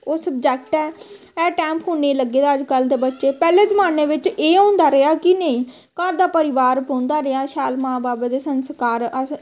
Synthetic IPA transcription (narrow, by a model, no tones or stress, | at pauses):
oːsəb̚d͡ʒɛːk̚ʈɛː | ɛːʈɛːmpɦuːeːləɡːeːd̪aːd͡ʒkəld̪eːbətːʃeːpɛːleːzəmaːneːʋɪt͡ʃeːɦõːnd̪aːɾəaːkɪnəĩː | kəɾd̪aːpəɾɪʋaːɾbõːnd̪aːɾəaːʃaːlmãːbaːbeːd̪eːsənskaːɾə